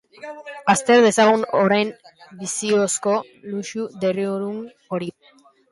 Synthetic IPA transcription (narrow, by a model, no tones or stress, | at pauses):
ast̪e̞ɾðe̞saɣ̞unoɾajnbisio̞sko̞ | luʃud̪e̞rioɾun | o̞ɾi